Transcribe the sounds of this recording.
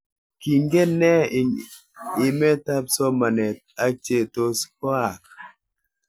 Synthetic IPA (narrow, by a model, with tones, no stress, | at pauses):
ki˨ŋɡe˦nɛ˦˨ | ɪ˨mɛ˦ta˦psɔ˦ma˨nɛ˨t̚a˦t͡ʃe˦˨to˦skɔ˦a˨k̚